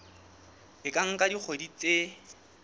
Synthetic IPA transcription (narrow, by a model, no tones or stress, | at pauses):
ɪkʼaŋ̩kadik͡xʰodit͡sʼe